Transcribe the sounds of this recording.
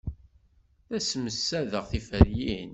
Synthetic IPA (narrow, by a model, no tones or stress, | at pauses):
θæsməsːæðəʁθifəɾjin